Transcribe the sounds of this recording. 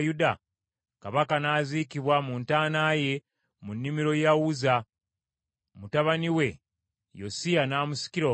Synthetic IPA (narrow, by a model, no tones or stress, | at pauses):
juda | kaβakanaːzikiβwamuntaːnaːje̞ | munːimiɾo̞jawuza | mutaβaniwe̞ | josijanaːmusi̥kiɾo